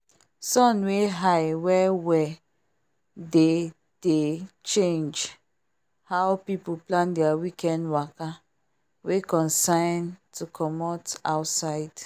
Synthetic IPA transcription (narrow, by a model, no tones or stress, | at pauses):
sɔ̃nweɦajwɛwɛ | de | d̥et͡ʃẽnd͡ʒ | hawpipuplãndɛawikɛ̃ndwaka | wekɔ̃nsãɪntʰukʰɔmɔtaʊtsaɪd̥